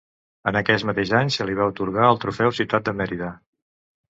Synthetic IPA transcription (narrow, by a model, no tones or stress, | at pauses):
ənəkɛzmət̪eʒzaɲsəliβ̞aut̪uɾɣaəlˠt̪ɾufɛwsiwt̪at̪̚d̪əmɛɾiðə